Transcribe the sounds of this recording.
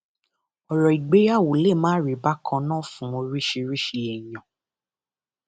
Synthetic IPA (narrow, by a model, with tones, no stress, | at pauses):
ɔ˨ɾɔ˨i˨ɡ͡be˨˦a˦˨wo˨le˦˨mãː˦ɾi˨ba˦kʰã˧nã˦˨fũ˨˦õ˧ɾi˦ʃi˧ɾi˦ʃi˧ɛ˨jɔ̃˨